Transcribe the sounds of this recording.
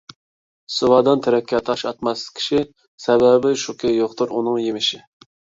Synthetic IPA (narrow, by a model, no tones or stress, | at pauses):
suwɑːd̪ɑnt̪ʰɪɾɛkʲʰːɑt̪ʰːʃɑt̪mɑskʲʰi̥ʃi | sɛbɛbɪʃukʲɛjoqt̪ʰuɾunɨŋjemɪʃɪ